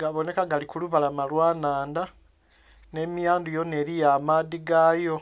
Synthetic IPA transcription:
ɡaβo̞ne̞kaɡalikuluβalamalwaːnaːnda | ne̞mijaːndujo̞ne̞ɾijamaðiɡajo

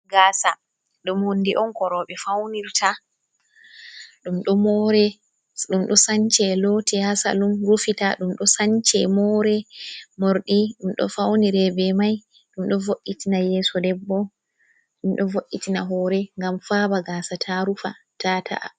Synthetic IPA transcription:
ɡaːsa | ɗumhondiʔɔnkɔɾɔːɓɛfawniɾtʰa | ɗumɗɔmɔɾɛ | ɗumɗɔsaɲt͡ʃɛlɔtɛhasa̰lumɾufitaɗumɗɔsaɲt͡ʃɛmɔːɾɛmoɾɗiɗumɗɔ̰fawniɾɛbɛmaj | ɗumɗɔvoʔːitinajɛːsɔdɛbːɔ | ɗumɗɔvoʔːitinaɦɔːɾɛŋɡamfaːbaɡaːsatʰaɾufa | tatʰa̰ʔa̰

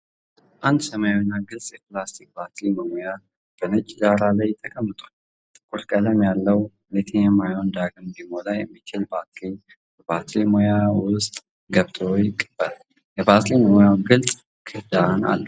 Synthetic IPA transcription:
ʔand̪səmajawinːaɡɨlsʼjɛplast̪ʰik̚bat̪liməmoja | b̥ənɨt͡ʃʼːd̪aɾalajt̪ʰːəkʼʰəmːɨt̪ʼu | t̪ʼɨ̥kʼuɾkʼələmjalːəw | net̪ʰejɛmːajond̪aɡɨmbimolajːɛmːit͡ʃɪlbat̪li | b̥əbat̪ʰlimojawʊst̪ʼ | ɡəβt̪ʰʼojɪkʼːɨb̥ːəl | jɛbat̪liməmojawɡɨlt͡sʼ | kʰɨhd̪ana̰lːu

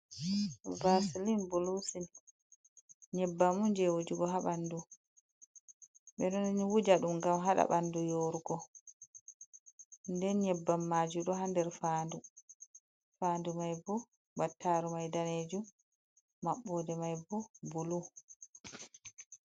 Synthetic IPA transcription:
vasilinbulusin | ɲɛbːamuɲd͡ʒɛwod͡ʒiɡɔɦaɓandu | ɓɛnɔninwud͡ʒaɗumɡamɦaɗa̰ɓandujoːɾuɡɔ | ndɛnɲɛbːamːaːd͡ʒuɗɔɦandɛɾfaːndu | fandumajbu | batʰːaɾumajdaneːd͡ʒumː | aɓːɔːdɛmajbubulu

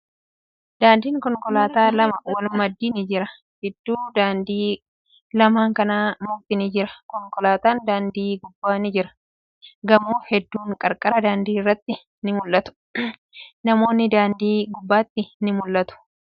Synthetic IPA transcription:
d̪aːnd̪iːŋkɔŋkʼɔlaːt̪aːlɐmɐwɐlmɐd̪ːiːnɪd͡ʒɪɾɐ | hɪd̪ːuːd̪aːnd̪iː | lɐmaːŋkɐnaːmʊft̪ɪnɪd͡ʒɪɾɐkɔŋkʼɔlaːt̪aːnd̪aːnd̪iːɡʊbːaːnɪd͡ʒɪɾɐ̥ | ɡɐmuːhɛd̪ːuːŋkʼɐɾkʼɐɾɐd̪aːnd̪iːɪrːɐt̪ːɪ | nɪmʊlːɐt̪ʊ̥ | nɐmo̞ːnːɪd̪aːnd̪iːɡʊbːaːt̪ːɪnɪmʊlːɐt̪ʊ̥

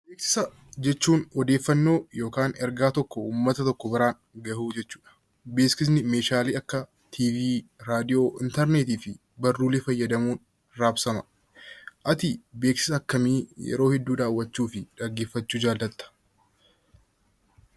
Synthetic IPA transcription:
beːksɪ̥sɐ | d͡ʒɛt͡ʃːuːnɔd̪eːfːɐnːo̞ːjo̞ːkaːnɛɾɡaːt̪ɔkːɔuːmːɐt̪ɐt̪ɔkːɔbɐɾaːn | ɡɐhuːd͡ʒɛt͡ʃːu̥ːᶑɐ̥ | beːskɪs̬nɪmeːʃaːliːɐkːɐ | t̪ʰiːviːɾaːd̪ɪjo̞ːʔɪ̰nt̪ɛɾneːt̪iːfɪ | bɐrːuːlɛfɐjːɐd̪ɐmuːn | ɾaːbsɐmɐ̥ | ʔɐt̪ɪbe̞ːksɪ̥sɐːkːɐmiːjɛ̰ɾo̞ːhɛd̪ːuːd̪aːwːɐt͡ʃːuːfɪᶑɐɡːe̞ːfːɐt͡ʃːuːd͡ʒaːld̪ɐt̪ːɐ̥

